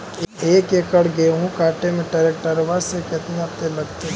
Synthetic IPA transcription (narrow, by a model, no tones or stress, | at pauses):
eːkekəɽɡeɦũkaːʈemẽʈɐɾek̚ʈəɾʋasekɪt̪niap̚t̪elɐɡt̪e